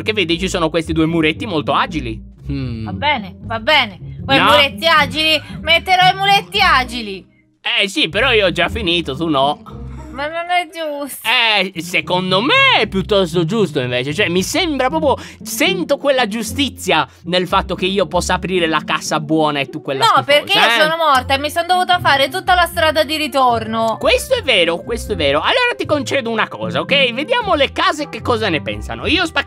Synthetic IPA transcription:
peɾk̟evːed̪it͡ʃisoːnokwest̪id̪uːemuɾet̪ːimolt̪oaːd͡ʒili | abɛːnevabɛːnekwejmuɾet̪ːiaːd͡ʒilimet̪ːeɾɔimuɾet̪ːiaːd͡ʒili | ɛsipeɾɔioɔd͡ʒːafːiniːt̪ot̪unɔmanːonɛd͡ʒust̪ɛsekond̪omeɛpːjut̪ːɔst̪od͡ʒust̪oiɱveːt͡ʃet͡ʃoɛmːisɛmbɾapɾɔːp̬ɾjosɛnt̪okwelːad͡ʒust̪it̪sːja | nelfat̪ːok̟eiːopɔsːaapɾiːɾelakasabwɔːnaet̪ːukːwelːaɔperkkeiosoːnomɔrt̪aɛmisond̪ovuːt̪afaːɾet̪̬ut̪ːalast̪ɾaːd̪ad̪iɾit̪ornokwest̪oɛvːɛːɾokwest̪oɛvːɛːɾoalːoːɾat̪ikont͡ʃɛːd̪ounakɔ̰ːzaokɛjved̪jaːmolekaːzekekːɔːzanepɛ̰nsa̰noiːospa

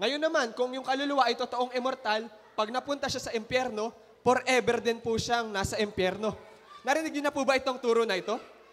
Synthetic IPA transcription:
ŋɐjo̞nːɐmankʊŋjʊŋkɐlolʊwaʔɐjt̪ot̪o̞ʔoŋʔɛmoɾt̪al | pɐɡ̚nɐpʊnt̪ɐʃasɐʔɪmpjɛɾno̞ | poɾʔɛbɛɾd̪ɪnpuʃaŋnasɐʔɪmpjɛɾno̞ | nɐɾɪnɪɡjʊnːɐpubɐʔɪt̪o̞ŋt̪uːɾonɐʔɪt̪o̞

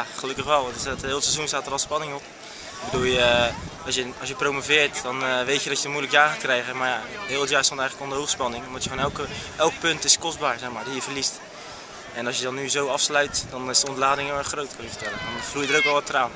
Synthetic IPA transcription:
jaχəlɵkəχʋɛlˠdtɦɪːlˠtsɛzunstaːtərɔlˠspɑnɪŋɔp | ɪbədulˠjəɑsjəɑs̬jəprowmovɪːɹtdɔnʋejtjədɔtjədɔmujləkjaːχaːt̚krɛjɣəmaɹjaɦɪːlˠətjaːstɔntɛjələkondəɦowχspɑnɪŋɔmdɔtjəfɔnɛlˠkəʔɛlˠk̚pɵntɪskɔsbaːɹzɛχmaːɹdijəvəɹlist | ɛnɑsjədɔnːyzowɑfslœɥtdɔnɪsdəɔntlaːdɪŋəɛχrowtkənɪkfəɹtɛlədɔnflujədəɾowkʋɛlˠʋɔtəraːn

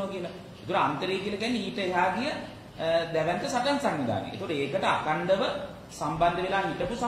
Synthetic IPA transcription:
oʋakiəla | et̪okoɾəant̪əɾejkiəlakiænːiiːʈəeɦaːɡ̪ijə | d̪æʋænt̪əsaʈansaŋnid̪a̰ːnḛʔḛt̪ooɾəeːkəʈəakaɳɖəʋə | samband̪əʋelaːɦiʈəpusa

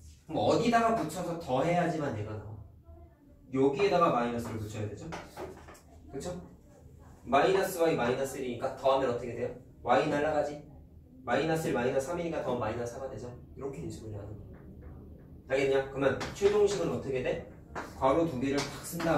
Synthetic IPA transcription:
mʌʌdidaɡaput͡ɕʰʌsʰʌtʌɦe̞jad͡ʑimanːeɡana | joɡie̞daɡamainʌs͈ɯɾoɭput͡ɕʰʌjadwe̞d͡ʑo | kɯt͡ɕʰo | mainas͈ɯwaimainas͈ɯɾiɲik͈atʌɦamenʌt͈ʌkʰe̞dwe̞jo | wainaɭːaɡad͡ʑi | mainas͈ɯɭmainas͈ʰɯamiɲik͈atʌmainas͈ʰɯɦaɡadwe̞d͡ʑo | iɾʌkʰend͡ʑimuniɭɦadɯ | t͡ɕaɡenɯɲakɯmant͡ɕʰwed͡ʑoŋɕʰiɡɯnʌt͈ʌkʰe̞de̞ | kwaɾotuɡeɾɯɭpak̚s͈ʰɯnda

